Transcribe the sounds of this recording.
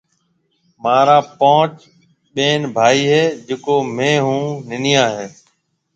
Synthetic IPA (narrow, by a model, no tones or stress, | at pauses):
maːɾãːpãːt͡ʃ | ɓeːnbʱaːiːɦeːd͡ʒekoːmẽːɦũːnɪnɪjãːɦeː